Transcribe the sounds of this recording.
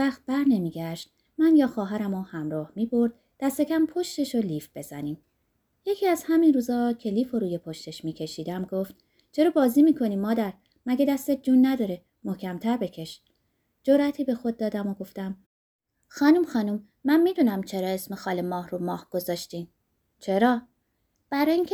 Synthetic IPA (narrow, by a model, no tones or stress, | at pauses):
væxt̪̚bæɾne̞miːɟæʃt̪̚ | mænjɒːxɒːɦæɾæmɔhæmɾɒːhmiːbo̞ɾd̪̥̚ | d̪̥æst̪e̞cʰæmpʰo̞ʃt̪e̞ʃoliːfb̥e̞zæniːm | je̞cʰiːæz̥hæminruːzɒːcʰe̞liːfoɾuːjepʰo̞ʃt̪e̞ʃmiːcʰe̞ʃiːd̪æmɡoft̪ | t͡ʃʰe̞ɾoːbɒːziːmiːkʰo̞niːmːɒːd̪æɾ | mæɡed̪æst̪et̪̚d͡ʒuːnːæd̪ɒːɾe̞ | mohcʰæmt̪ʰæɾbe̞cʰe̞ʃ | d͡ʒoɾʔæt̪ʰiːbe̞xod̪̚ːɒːd̪æmoɡo̞ft̪æm | xɒːnumxɒːnum | mænmiːd̪uːnæmt͡ʃʰe̞ɾɒːe̞smexɒːlemɒːhɾumɒːhɡ̥o̞zɒːʃt̪iːm | t͡ʃʰeɾɒː | b̥æɾɒːiŋcʰe